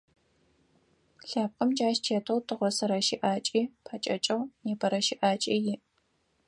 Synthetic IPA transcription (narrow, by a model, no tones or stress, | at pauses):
ɬaːp̚qʼɐmd͡ʒʼaːʃt͡ʃʰeːtʰɐwtʰɨʁʷɔsɐɾɐʃiʔaːt͡ʃʼiːpʰaːt͡ʃʼɐt͡ʃʼɐwneːbʰɐɾɐʃiʔaːt͡ʃʼɐjɪ